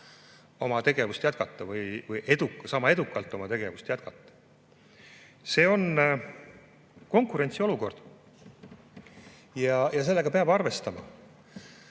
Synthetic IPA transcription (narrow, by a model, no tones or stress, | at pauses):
o̞mɑt̪e̞ɡ̥e̞vust̪jæt̪kɑt̪ˑːɑvɯjvɯjʔe̞d̪̥ukːsɑmɑe̞d̪ukːˑɑlt̪ːˑo̞mɑt̪e̞ɡ̥e̞vust̪jæt̪kɑt̪ːˑɑ̥ | se̞ːo̞n | ko̞ŋkˑuɾe̞nʲt̪sio̞luko̞rd̪̥ | jɑjɑs̬e̞lːe̞ɡ̥ɑpe̞ɑbɑrve̞st̪ɑmɑ̰